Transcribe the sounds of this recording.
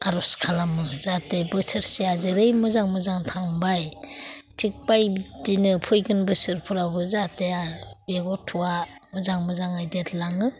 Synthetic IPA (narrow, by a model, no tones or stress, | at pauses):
aɾɔskʰalamɯzatebɯsɯɾsiazɯɾɯjmɯzaŋmɯzaŋtʰaŋbaj | tʰik̚bajdinɯpʰɔjɡɯnbɯsɯɾpʰɯɾabɯzateabeɡɔtʰuamɯzaŋmɯzaŋajdetlaŋɯ